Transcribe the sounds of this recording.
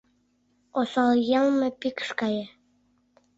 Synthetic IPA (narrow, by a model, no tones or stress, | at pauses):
osɑljɑlmĕpikə̥ʃkɑje